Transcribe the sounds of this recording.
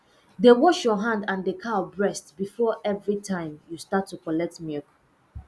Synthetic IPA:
dewɔʃjɔɦãndãndekʰabɹɛstbifɔʔɛvɹitʰãɪ̃mjustatʰːukɔlɛk̚tmɛk

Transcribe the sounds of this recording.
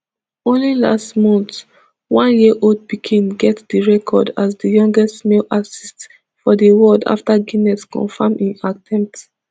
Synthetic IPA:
õnlila̰stmɔ̃nt | wãnjiʔold̚pikʰĩnɡɛtdiɹɛkʰɔ̰dazdəjɔ̃ŋɡɛstmelasist | fɔdəwɔda̰ftaɡinɛskɔ̰̃nfãmĩnatʰɛ̃mp̚t

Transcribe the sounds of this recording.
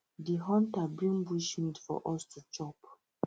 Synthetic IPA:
diɦɔ̃ntabɹĩnbuʃmĩtfɔ̰ʔɔstut͡ʃɔp

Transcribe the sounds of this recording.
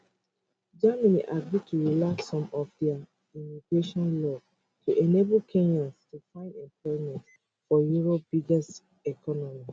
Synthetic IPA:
d͡ʒamanḭʔaɡɹitʰuɹilaksːɔ̃mɔfdɛa | imiɡɹeʃɔ̃nlɔ | tʰuʔɛnebl̩kʰẽnãnstufãɪ̃ndɛ̃mpʰlɔɹimɛ̃nt | fɔjuɹob̥iɡɛs | ɛkʰɔnɔmi

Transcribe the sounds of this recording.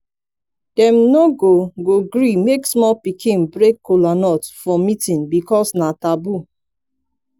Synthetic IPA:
d̥ɛ̃mnoɡoɡoɡɹimeksmɔlpikʰĩnbɹekːolanɔtfɔmitĩnbikɔsnatabu

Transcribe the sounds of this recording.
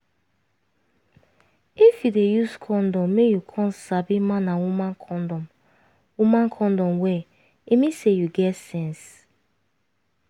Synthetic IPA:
ifjudejuskʰɔ̃ndɔ̃mːejukʰɔ̃nsabimãnawumãnkʰɔdɔm | wumãnkʰɔ̃ndɔ̃mwɛ | imĩsejuɡɛtsɛ̃ns

